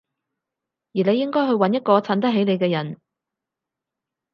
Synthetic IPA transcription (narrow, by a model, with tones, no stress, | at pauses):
jiː˨˩le˨˧jːɪ˥ŋkɔː˥jɦɵ˧ɥwɐ˨˥njɐ˥t̚kɔː˧t͡sʰaː˨˥nt̪ɐ˥ɦe˨˥jne˨˧jkɛː˧jɐ˨˩n